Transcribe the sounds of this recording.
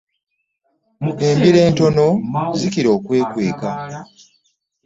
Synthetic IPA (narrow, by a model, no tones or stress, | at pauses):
embiɾe̞ːnto̞no̞zikiɾo̞ːkwe̞ːkwe̞ːka